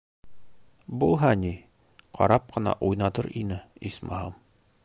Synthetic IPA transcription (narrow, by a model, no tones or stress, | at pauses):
bulˠɦɑni | qʰɑ̰ɾɑp̚qɤ̆nɑ̰ʔujnɑt̪ɤɾʔinɘismɑɦɑm